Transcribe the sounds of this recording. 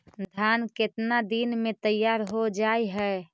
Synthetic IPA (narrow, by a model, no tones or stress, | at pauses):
d̪ʱaːnkɪt̪nad̪inmẽt̪əjːaːɾɦod͡ʒaiɦɛ